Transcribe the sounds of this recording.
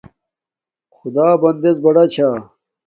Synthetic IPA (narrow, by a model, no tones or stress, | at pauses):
xʊd̪aːbɐnd̪ezbɐɽɐt͡ɕʰaː